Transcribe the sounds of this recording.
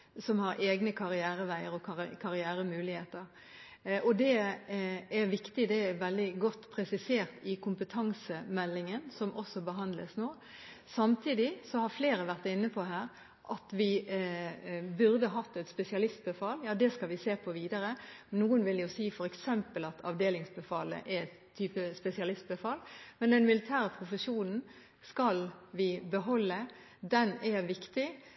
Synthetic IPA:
sɔmhɑɾʔeːɡnəkʰɑɾɪæːɾəʋæɪəɾɔkɑkʰɑɾɪæːɾəmʉːlɪheːt̪əɾ | ʔɔd̪ɛ | æɾʋɪkt̪ɪd̪ɛæʋɛld̪ɪɡɔt̪ːpʰɾɛsɪseːʁt̪ɪkʰʊmpət̪ʰɑŋsəmɛlːɪŋənsɔmʔɔsːɔbəɦɑnd̪ləsnoː | sɑmt̪ʰiːd̪ɪsɔhɑɾfleːɾəʋæʁt̪ɪnːəpʰɔɦæːɾ | ʔɑt̪ʋɪ | bʉʁd̪əɦɑt̪ːɛt̪spɛsɪɑlɪst̪̚bəfɑljɑːd̪ɛskɑlʋɪseːpʰɔʋiːd̪ɑɾənuːənʋɪljʊsiːfɔɾɛksɛmpəlɑt̪ʰɑ̰ʋd̪eːlɪŋsbəfɑ̰ːlə̰ʔɛ | t̪ʰːyːpəspɛsɪɑlɪst̪̚bəfɑlmɛnd̪ɛnmɪlɪt̪ʰæːɾəpʰʁʊfəʂuːnn̩ | skɑlʋɪbəɦɔlːə | d̪ɛnæɾʋɪkt̪ɪ

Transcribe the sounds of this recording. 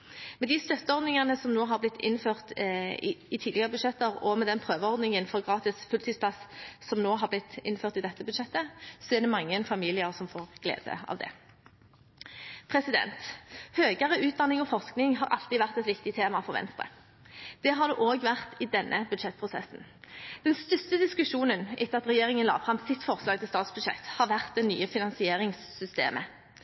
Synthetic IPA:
mɛd̪ɪst̪œt̪ːəɔʁd̪nɪŋɑnəsɔmnoːɦɑʁblɪt̪ʰːɪ̰nføːʁt̪ | ɪt̪ʰiːd̪ɪɡɑʁəbʉd̪ʂɛt̪ːəʁɔmɛd̪ɛnpʰʁøːʋəɔʁd̪nɪŋənfɔʁɡʁɑːt̪ɪsfʉlt̪ʰɪːspʰlɑssɔmnoːɦɑblɪt̪ːɪ̰nføːʁt̪ɪd̪ɛt̪ːəbʉd̪ʂɛt̪ːəsɔɛʁd̪ɛmɑŋːənfɑmiːlɪəʁsɔmfoːʁɡ̥lḛːd̪ə̰ɑ̰ʋd̪ɛ̰ | pʰʁɛsɪd̪ɛ̰nt̪høːɡəʁəʉːt̪̚d̪ɑnːɪŋɔfɔʁsknɪŋɦɑɾʔɑ̰lt̪ɪʋæʁt̪ɛt̪ʋɪkt̪ɪt̪ʰeːmɑfɔʁʋɛ̰nst̪ʁə̰ | d̪̥ɛɦɑʁd̪ʉːʔoːɡʋæʁt̪ɪd̪ɛnːʔəbʉd̪ʃɛt̪̚ːpʰʁʊsɛ̰sn̩ | d̪̥ɛnst̪ʏst̪əd̪ɪskʉʂuːnənʔɛt̪ːəɑt̪ʁɛjeːʁɪŋənlɑ̰ːʋfʁɑmsɪt̪fɔʁslɑːɡt̪ʰɪlst̪ɑːt̪sb̥ʉd̪ʃɛ̰t̪ːhɑʁʋæʁt̪̚d̪ɛny̰ːəfɪnɑnsɪeːʁɪŋsːʏst̪ḛːmʔə

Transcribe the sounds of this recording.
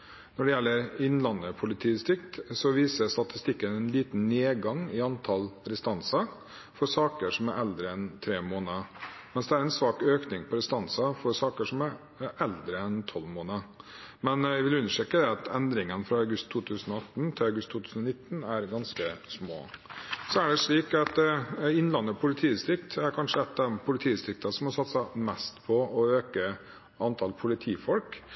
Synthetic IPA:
nɔɖɛjɛlːəɾɪnlɑnəpʰʊlɪt̪ʰiːst̪ɪkt̪sɔʋiːsəst̪ɑt̪ɪ̥st̪ɪkːənɛnliːt̪n̩neːɡɑŋɪɑnt̪ʰɑlɾɛst̪ɑnsɑ | fɔɾsɑːkəʂɔmæɾʔɛld̪ɾəɛnt̪ʰɾeːmoːnəmɛnsd̪ɛæɾɛnsʋɑːkøːknɪŋpʰɔɾɛst̪ɑnsɑfɔɾsɑːkəʂɔmæɾ | ɛld̪ɾəɛnt̪ʰɔlmoːnəmɛnɪʋɪlʉnːəʂʈeːkəd̪ɛɑt̪ʰɛnd̪ɾɪŋənfɾɑɑʉɡʉst̪ʰːuːt̪ʰʉːsənɔɑt̪ːnt̪ʰɪlɑʉɡʉst̪ʰːuːt̪ʉːsn̩ɔnɪt̪ːnæɾɡɑnskəsmo̰ːsɔæɖɛʂɭiːkɑt̪ɪnlɑnːəpʰʊlɪt̪ʰiːɪst̪ɾɪkt̪æɾkʰɑnʂəɛt̪ːɑd̪ɛmpʰʊlɪt̪ʰiːst̪ɾɪk̚t̪ɑsɔmɔsɑt̪sɑmɛst̪pʰɔɔøːkə | ɑnt̪ʰɑlpʰʊlɪt̪ʰiːfɔlk

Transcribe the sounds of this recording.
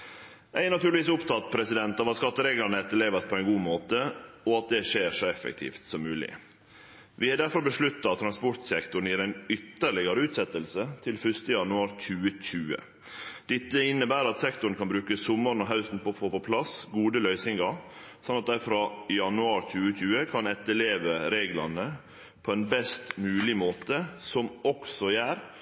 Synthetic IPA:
ʔæɪnɑt̪ʉːlɪʋiːsʊpt̪ʰɑt̪ːpʰɾɛsɪd̪ɛnt̪ɑʋɑt̪skɑt̪ːəɾeːɡlɑɳəɛt̪ːəɭeːʋəspʰɔæɪnɡuːmoːt̪əɔɑt̪̚d̪ɛʂeːʂɔɛfɛ̰kt̪ʰḭːft̪sɔmːʉːlɪ̰ | ʋɪhɑɖ̪æɾfɔɾbəʂɭʉt̪ːɑɑt̪ʰːɾɑnspɔɾt̪sɛkt̪ʊɾɳ̩jiːɾæɪnʏt̪ːəɾɭɪɡəɾəʉːt̪sɛt̪ːəlsət̪ʰɪlfœʂt̪əjɑnʉɑːɾc͡çʉːəc͡çʉːə̰ | d̪̥ɛt̪ːəɪnːəbæːɾɑt̪sɛkt̪ʊɾən̩kʰɑnbɾʉːkəsʊmːəɾn̩ɔɦɑʉsn̩pɔfoːpɔpʰlɑsɡuːd̪əlœʏsɪŋɡɑɾ | sɑnɑt̪̚d̪æɪfɾɑːjɑnʉɑːɾc͡çʉːəc͡çʉːəkʰɑnɛt̪ːəɭeːʋəɾeːɡlɑ̰nə | pʰoɛnbɛst̪mʉːlɪmoːt̪əsɔmɔksɔjæːɾ

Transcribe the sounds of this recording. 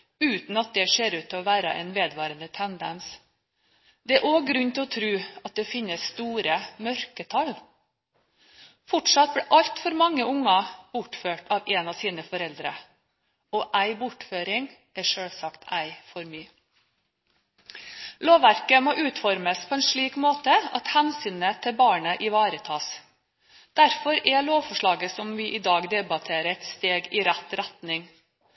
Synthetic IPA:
ʉːt̪n̩ɑt̪̚d̪ɛʂeːɾʉːt̪ʰːɪɔʋæːɾə̰ʔɛ̰ːnʋeːd̪ʋɑːɾənd̪ət̪ʰɛnd̪ə̰ns | d̪ɛæɾʔoːɡɾʉnːt̪ʰɪlɔt̪ʰɾʉːɑt̪̚d̪ɛfɪnːəsst̪uːɾəmœɾkət̪ʰɑl | fɔʈʂɑt̪̚bɽɛːʔɑlt̪fɔɾmɑŋːəʊŋːɑb̥ʊʈføːʈɑːʋeːnɑʋsiːnəfɔɾɛld̪ɾə̰ | ɔʔæɪbʊʈføːɾɪŋ | ʔæʂøːlsɑkt̪æɪfɔɾmyː | loːʋʋæɾkəmoːʔʉːt̪fɔɾməspʰɔːɛnʂɭiːkmoːt̪əɑ̰t̪hænsyːnət̪ʰɪlbɑːɳəʔɪʋɑːɾət̪ʰɑːs | d̪̥æɾfɔɾɛloːʋfɔʂɭɑːɡəsɔmʋɪʔɪd̪ɑːɡd̪ɛbɑt̪ʰeːɾəɛt̪st̪eːɡɪɾæt̪ɾæt̪nɪŋ

